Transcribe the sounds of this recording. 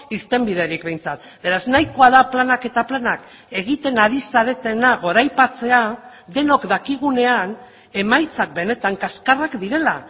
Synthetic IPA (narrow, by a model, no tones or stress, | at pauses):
iɾt̪e̞mbið̞e̞ɾikbe̞jnt͡sat̪̚ | be̞ɾaznajko̞aðaplanake̞t̪aplanak | e̞ɣ̞it̪e̞naɾisaɾe̞t̪e̞naɣ̞o̞ɾajpat͡se̞a | d̪e̞no̞kd̪akiɣ̞une̞an | e̞majt͡sak̚be̞ne̞t̪aŋkaskarakd̪iɾe̞la